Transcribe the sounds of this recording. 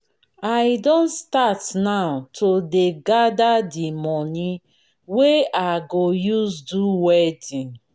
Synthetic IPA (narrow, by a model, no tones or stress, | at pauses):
ajdɔ̃ntstatnawtʰodeɡadadimɔnĩ | weaɡojusduwɛdĩn